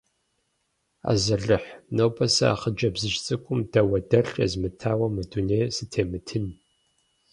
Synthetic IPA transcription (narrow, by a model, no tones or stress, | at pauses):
a̰ːzɐɮɨħnowbʰɐsɐa̰χəd͡ʒɐbzɨʃt͡sʼɨkʷʼʊmd̥ɐwɐdɐɬɐ̰zmɨtʰaːwɐmɨduneːsɨtʰeːmɨtʰɨn